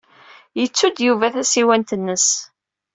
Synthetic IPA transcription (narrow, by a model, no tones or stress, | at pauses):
jət͡sːud̪juvæθæsiwænt̪ənːəs